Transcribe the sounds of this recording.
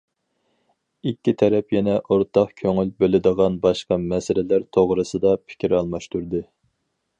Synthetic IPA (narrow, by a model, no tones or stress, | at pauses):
ikʲːit̪ʰɛɾɛpjɛnɛʔoɾt̪ʰɑqkʲʰøŋylbølɪd̪əʁɑnbɑʃqɑmɛsɪlɪlæɾt̪ʰoʁɾɨsɨd̪ɑpʰɪ̥kʲiɾɑlˠmɑʃt̪uɾd̪ɨ